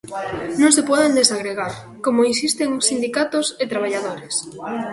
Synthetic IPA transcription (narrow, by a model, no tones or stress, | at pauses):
nõŋs̬epɔðend̪esaɣɾeɣ̞aɾ | komoinsist̪eŋosːind̪ikat̪oset̪ɾaβ̞aʎaðoɾes